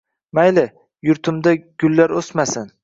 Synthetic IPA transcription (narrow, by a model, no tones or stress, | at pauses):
majlɪ | jʊɾt̪ʰʊmd̪aɡ̥ʲʊlːaɾosmasɪn